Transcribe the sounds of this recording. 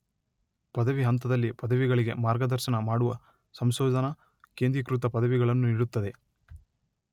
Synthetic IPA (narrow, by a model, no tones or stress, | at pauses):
pɐd̪ɐʋiɦɐnt̪ɐd̪ɐlːipɐd̪ɐʋiɡɐɭiɡe̞̰maːɾɡɐd̪ɐɾʃɐnɐmaːɽuʋɐ | sɐmsɔːd͡ʒɐnɐ | keːnd̪ɾikɾut̪ɐpɐd̪ɐʋiɡɐɭɐnːuiɽut̪ːɐd̪e̞